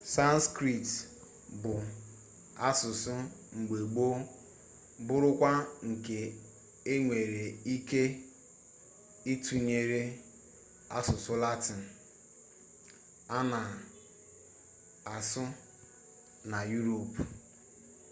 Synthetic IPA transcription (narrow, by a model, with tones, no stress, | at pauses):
sa˦n˦skɾi˦˨t | bʊ˨ | a˦sʊ˨sʊ˦ŋ͡m̩˨ɡ͡be˨ɡ͡bo˦ | bʊ˦ɾʊ˦kʷa˦ŋ̩˨ke˨ | e˦ŋʷe˨ɾe˨i˦ke˦ | i˦tu˨ɲe˨ɾe˦ | a̰˦sʊ˨sʊ˦la˦ti˨n̩˨ | a˦na˨ | a˨sʊ˦ | na˨ju˦ɾo˨p